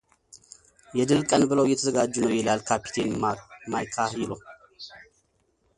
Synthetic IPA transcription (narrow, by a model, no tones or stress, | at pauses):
jɛd̪ɨlkʼənbɨləwjɛt̪ʰəzəɡad͡ʒːunəwjɛlalkʰapi̥t̪ʰenmamajkʰahiləw